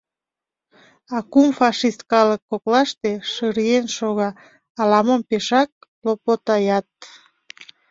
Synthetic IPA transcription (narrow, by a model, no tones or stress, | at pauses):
ɑkumfɑʃist̪̚kɑləkːoklɑʃt̪eʃɯɾienʃoɣɑː | lɑmompeʃɑk̚lopot̪ɑjɑt̪̚